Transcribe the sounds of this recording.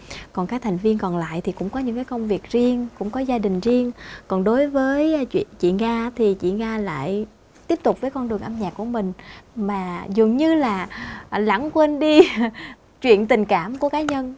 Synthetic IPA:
kɔ˨˩nkaː˨˦˥k̚t̪ʰa˨˩jŋ̟vi˧ənkɔ˨˩nla̰ː˧˨jt̪ʰi˨˩kʊ̰˧˥ŋ͡mkɔ˨˦ɲɨ̰˧˥ŋkaː˨˦jkə˧wŋ͡mvi˨˩ək̚zi˧əŋkʊ̰˧˥ŋ͡mkɔ˨˦zaː˧ɗï˨˩ŋ̟zi˧əŋkɔ˨˩nɗo˨˦jvəː˨˦jt͡ɕwḭ˧˨nt͡ɕḭ˧˨ŋaː˧t̪ʰi˨˩t͡ɕḭ˧˨ɣaː˧la̰ː˧˨j | t̪i˦˥əp̚t̪ʊ˨˩k͡p̚vəː˨˦jkɔ˧nɗɨ˨˩əŋʔa˧mɲaː˨˩k̚ːu˧˩əmï˨˩ŋ̟maː˨˩zə˨˩ŋɲɨ˧laː˨˩la̰˧˩ŋkwe˧nɗi˧ | t͡ɕwḭ˧˨ənt̪ï˨˩ŋ̟kaː˧˩mku˧˩əkaː˨˦ɲə˧n

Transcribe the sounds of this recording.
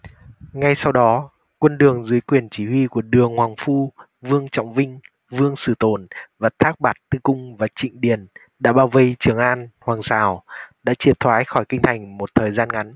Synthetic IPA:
ŋa˧jsa˧wɗɔ˨˦ | kwə˧nɗɨ˨˩əŋzɨ˨˦jkwi˨˩ənt͡ɕi˧˩hwi˧ku˧˩əɗɨ˨˩əŋhwaː˨˩ŋfu˧ | vɨ˧əŋt͡ɕɔ̰˧˨wŋ͡mvï˧ŋ̟ | vɨ˧əŋsɨ˧˩t̪o˧˩nvaː˨˩t̪ʰaː˦˥k̚ɓaː˨˩t̚t̪ɨ˧kʊ˧ŋ͡mvaː˨˩t͡ɕḭ˧˨ŋ̟ɗi˨˩ən | ɗa̰ː˧˥ɓaː˧wvə˧jt͡ɕɨ˨˩əŋʔaː˧nhwaː˨˩ŋsaː˧˩wɗa̰ː˧˥t͡ɕi˨˩ət̚t̪ʰwaː˨˦jxɔ˧˩jkï˧ŋ̟t̪ʰa˨˩jŋ̟mo˨˩t̚t̪ʰəː˨˩jzaː˧nŋa˨˦n

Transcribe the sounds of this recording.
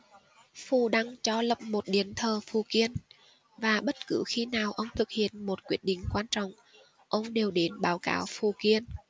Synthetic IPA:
fu˧˩ɗa˧ŋt͡ɕɔ˧lə˨˩p̚mo˨˩t̚ɗi˧˩ənt̪ʰəː˨˩fu˨˩ki˧ən | vaː˨˩ɓə˦˥t̚kɨ˧˦xi˧naː˨˩wʔə˧wŋ͡mt̪ʰɨ˨˩k̚hḭ˧˨ənmo˨˩t̚kwi˦˥ət̚ɗï˧˨ŋ̟kwaː˧nt͡ɕɔ̰˧˨wŋ͡m | ʔə˧wŋ͡mɗe˨˩wɗe˨˦nɓaː˨˦wka̰ː˨˦wfu˨˩ki˧ən

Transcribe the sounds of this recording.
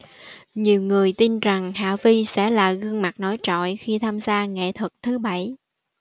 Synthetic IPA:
ɲi˨˩əwŋɨ˨˩əjt̪i˧nza˨˩ŋha̰ː˧˨vi˧sɛ̰˧˥laː˨˩ɣɨ˧əŋma˨˩k̚nɔ˨˦jt͡ɕɔ̰˧˨jxi˧t̪ʰaː˧mzaː˧ŋḛ˧˨t̪ʰɨ˨˩k̚t̪ʰɨ˨˦ɓa˧˩j

